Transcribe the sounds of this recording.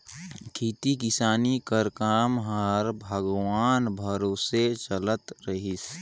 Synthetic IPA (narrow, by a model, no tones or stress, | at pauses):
kʰiːt̪ikɪsaːnikəɾkaːmɦəɾbʱəɡwaːnbʱəɾoːset͡ʃələt̪ɾəɦis